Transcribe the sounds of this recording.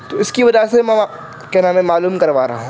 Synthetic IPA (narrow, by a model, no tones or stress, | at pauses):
t̪oɪskibɐd͡ʒasemɛ̃ | kenaːmẽmaːluːmkɐɾʋaːɾɐ̰ɦũː